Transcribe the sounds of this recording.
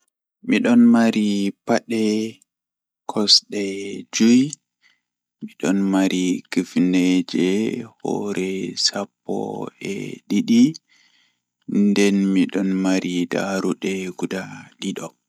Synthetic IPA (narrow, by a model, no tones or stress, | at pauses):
miɗɔnmaɾipaɗɛ | kʰɔsɗɛd͡ʒuj | miɗɔnmaɾikifned͡ʒɛhɔ̰ɾɛsapːɔ̰ɛ̰ɗiɗi | ndɛnmiɗɔnmaɾida̰ɾuɗɛɡudaɗiɗɔ